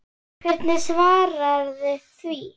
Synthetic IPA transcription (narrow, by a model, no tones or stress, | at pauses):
kʰvɛɾt̪nɪsvaːɾaɾðɪθviː